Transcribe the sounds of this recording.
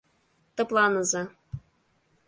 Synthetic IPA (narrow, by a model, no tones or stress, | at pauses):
t̪ɤ̆plˠɑnɤ̆zɑ